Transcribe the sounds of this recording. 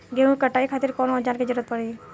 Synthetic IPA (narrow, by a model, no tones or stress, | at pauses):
ɡeɦũkɐʈaːikʰaːt̪ɪɾkɔːnɔd͡ʒaːnkid͡ʒəɾuːɾət̪̚pɐɽe